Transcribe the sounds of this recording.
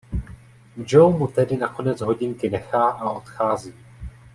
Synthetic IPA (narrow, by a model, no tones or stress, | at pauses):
d͡ʒowmut̪ɛdɪnako̞nɛt͡sɦo̞ɟɪŋkɪnɛxaːʔao̞t̪xaːziː